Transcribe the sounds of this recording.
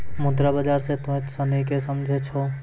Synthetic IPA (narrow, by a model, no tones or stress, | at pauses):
mod̪ɾabəd͡ʒaːɾset̪õet̪sənikesəmd͡ʒʱet͡ʃʰo